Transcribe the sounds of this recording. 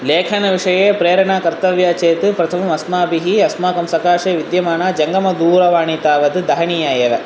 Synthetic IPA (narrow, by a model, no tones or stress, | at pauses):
leːkʰɐnɐʋiʂɐjeːpɾeːɾɐɳaːkɐɾt̪ɐʋjaːt͡ʃeːt̪ɨpɾɐt̪ʰɐmɐsmaːbiɦiɐsmaːkɐmsɐkaːʂeːʋid̪jɐmaːnaːd͡ʒɐŋɡɐmɐd̪uːɾɐʋaːɳit̪aːʋɐt̪ɨd̪ɐɦɐɳijajeːʋe